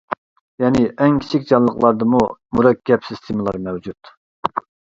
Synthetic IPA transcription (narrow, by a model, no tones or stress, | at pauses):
jɛnɪʔɛŋkʲʰi̥t͡ʃʰikʲd͡ʒɑnlˠəχlˠɑɾd̪ɨmumuɾɛkʲʰːɛpsist̪ʰɪmɨlˠɑɾmɛwd͡ʒut̪